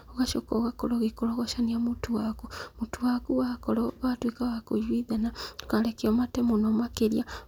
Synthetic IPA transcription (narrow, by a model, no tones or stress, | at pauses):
oɣaʃokɔɣakɔɾɔɣekoɾoɣɔʃaniamutuwakumutuwakuwakɔɾɔβatwikaβakojwiðanḁkalekeɔmatɛmonomakeɾja